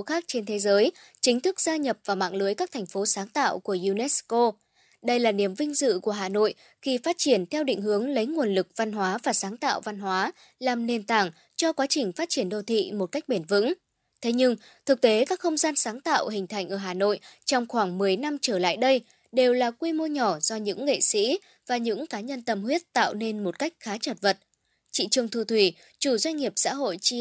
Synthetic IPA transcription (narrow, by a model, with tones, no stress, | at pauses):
xaː˦˥k̚t͡ɕe˧nt̪ʰe˨˦zəː˨˦j | t͡ɕï˨˦ŋ̟t̪ʰɨ˦˥k̚z̥aː˧ɲə˨˩p̚vaː˨˩ma̰ː˧˨ŋlɨ˨˦əjkaː˦˥kt̪ʰa˨˩jŋ̟fo˨˦saː˨˦ŋt̪a̰ː˧˨wku˧˩əʔu˧nɛ˦˥sko˧ | ɗə˧jlaː˨˩ni˨˩əmvï˧ŋ̟zɨ̰˧˨ku˧˩əɦaː˨˩no̰˧˨j | xi˧faː˦˥t̚t͡ɕi˧˩ənt̪ʰɛ˧wɗḭ̈˧˨ŋ̟ɦɨ˨˦əŋlə˨˦jŋu˨˩ənlɨ˨˩k̚va˧nɦwaː˨˦vaː˨˩saː˨˦ŋt̪a̰ː˧˨wva˧nɦwaː˨˦ | laː˨˩mne˨˩nt̪aː˧˩ŋ | t͡ɕɔ˧kwaː˨˦t͡ɕï˨˩ŋ̟faː˦˥t̚t͡ɕi˧˩ənɗo˧˩t̪ʰḭ˧˨mo˨˩t̚ka˦˥jk̟̚ɓe˧˩nvɨ̰˧˥ŋ | t̪ʰe˨˦ɲɨ˧ŋ | t̪ʰɨ˨˩k̚t̪e˨˦kaː˦˥k̚xə˧wŋ͡mzaː˧nsaː˨˦ŋt̪a̰ː˧˨whï˨˩ŋ̟t̪ʰa˨˩jŋ̟ʔəː˧˩ɦaː˨˩no̰˧˨jt͡ɕɔ˧wŋ͡mxwaː˧˩ŋmɨ˨˩əjna˧mt͡ɕəː˧˩la̰ː˧˨jɗə˧j | ɗe˨˩wlaː˨˩kwi˧mo˧ɲɔ˧˩zɔ˧ɲɨ̰˧˥ŋːḛ˧˨sḭ˧˥ | vaː˨˩ɲɨ̰˧˥ŋkaː˨˦ɲə˧nt̪ə˨˩mhwi˦˥ət̚t̪a̰ː˧˨wne˧nmo˨˩t̚ka˦˥jk̟̚xaː˨˦t͡ɕə˨˩t̚və˨˩t̚ | t͡ɕḭ˧˨t͡ɕɨ˨˩əŋt̪ʰu˧˩t̪ʰwi˧˩ | t͡ɕu˧˩zwa˧jŋ̟ŋi˨˩əp̚sa̰ː˧˥ɦo̰˧˨jt͡ɕi˧